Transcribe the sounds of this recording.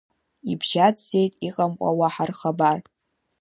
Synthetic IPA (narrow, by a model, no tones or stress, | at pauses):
ibʒatze̞jtʼiqʼamqʷʼa̰waħarχabar